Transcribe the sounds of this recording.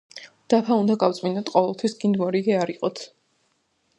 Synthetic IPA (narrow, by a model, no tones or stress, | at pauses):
d̪̥apʰaund̪aɡaft̪sʼminɔt̪ʰqʼɔvɛlˠt̪ʰwisɡind̪mɔɾiɡɛaɾiqʼɔt̪ʰ